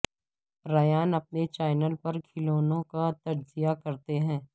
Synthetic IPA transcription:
ɾɐjaːnɐp̚net͡ʃaːɪnəlpɐɾkʰɪloːnõkat̪ɐd͡ʒzɪjakɐɾt̪eɦɛ̃ː

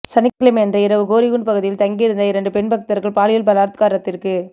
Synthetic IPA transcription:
sɐnɪkːɪlɪmɛndrɐɪɾɐʋɯɡoːɾɪɣuɳɖpɐɣɯðɪjɪlt̪ɐŋɡiɪɾɯnd̪ɐɪɾɐɳɖɯpɛɳbɐk̚t̪ɐɾɣɐɭpaːlɪjɐlbɐlaːɾt̪ɯkaːɾɐt̪ːɪrkɯ

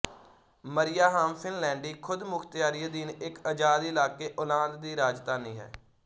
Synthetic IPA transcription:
məɾɪjaːɦaːmpʰɪnlɛ̃ːɳɖiːkʰʊd̪mʊkʰt̪ɪjaːɾiːəd̪iːnɪkəd͡ʒaːd̪ːɪlaːkeːʔoːlãːnd̪d̪iːɾaːd͡ʒt̪aːniːɦɛ̰ː

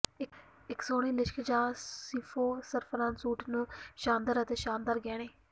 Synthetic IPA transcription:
ɪ | ɪksoːɽ̃iːlɪʃkʰd͡ʒaːsiːfʰoːsəɾpʰəɾãːnsuːʈʰnũːʃaːnd̪əɾət̪eːʃaːnd̪aːɾɡɛːɽ̃eː

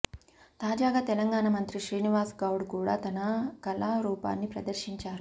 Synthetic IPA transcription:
t̪aːd͡ʒaːɡaːt̪ɛlɐŋɡaːɳɐmɐnt̪ɾiʃɾiːniʋaːsɡɐwɽkuːɽa̰ːt̪ɐnɐkɐlɐɾuːpa̰ːnːipɾɐ̰d̪ɐɾʃiɲt͡ʃaːɾu

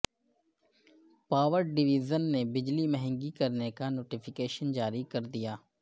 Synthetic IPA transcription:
paːʋəɾɖɪʋiːzənːebɪd͡ʒlimɛɦɛ̃ŋɡikɐɾnekanoːʈifʰɪkeːʃənd͡ʒaːɾikɐɾd̪ijaː

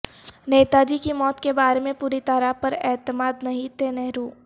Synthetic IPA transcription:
neːt̪ad͡ʒikimɔːt̪kebaːɾemẽpuːɾit̪aːɾapɐɾɛːt̪əmaːd̪nɐɦĩt̪eːnɛɦɾuː

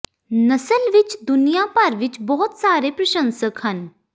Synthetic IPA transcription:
nəsəlʋɪt͡ʃd̪ʊnijaːpəɾʋɪt͡ʃbɔːt̪saːɾeːpɾəʃə̃nsəkhən

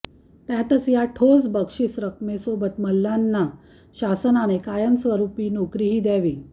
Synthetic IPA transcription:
t̪jat̪ət͡sjaʈʰod͡zbəkʂisɾəkmesobət̪məlːanːa | ɕasənañekajənsʋəɾupiːnokɾiɦiːd̪jaʋiː

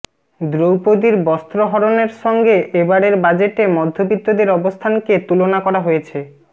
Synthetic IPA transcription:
d̪ɾowpod̪iɾbɔst̪ɾoɦɔɾoneɾʃɔŋɡeʔebaɽeɾbad͡ʑeʈemɔd̪ʱːobit̪ːod̪eɾɔbost̪ʰanket̪ulonakɔɾaɦojet͡ɕʰe

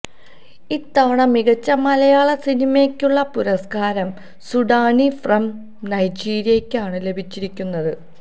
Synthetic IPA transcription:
iːt̪ːɐʋɐɳɐmiɣɐt͡ɕːɐmɐlɐjaːɭɐsinimekʲːuɭːɐpuɾɐskaːɾɐm | suɖaːnifrɐm | nɐjd͡ʑiːɾijɐkʲːaːɳɨle̞bʱit͡ɕːiɾikʲːunːɐðɨ

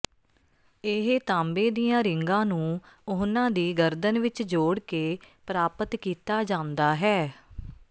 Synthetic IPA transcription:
ɪɦt̪ãːmbeːd̪ijãːɾɪŋɡãːnũːʊɦnãːd̪iːɡəɾd̪ənʋɪt͡ʃd͡ʒoːɽkeːpɾaːpət̪kiːt̪aːd͡ʒãːnd̪aːɦɛː

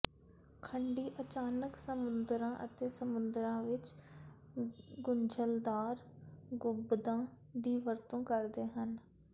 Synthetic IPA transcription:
kʰəɳɖiːʔət͡ʃaːnəksəmʊnd̪ɾãːʔə̰t̪eːsəmʊnd̪əɾãːʋɪt͡ʃ | ɡʊɲd͡ʒəld̪aːɾɡʊbd̪ãː | d̪iːʋəɾt̪õːkəɾd̪eːɦən

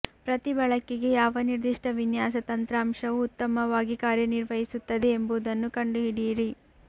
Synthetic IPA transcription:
pɾɐt̪ibɐɭɐkːiɡe̞jaːʋɐniɾd̪iʂʈɐʋinjaːsɐt̪ɐnt̪ɾaːmʂɐʋuːt̪ːɐmɐʋaːɡikaːɾjɐniɾʋɐɦisut̪ːɐd̪e̞ːmbuud̪ɐnːukɐɳɖuɦiɽiːɾi

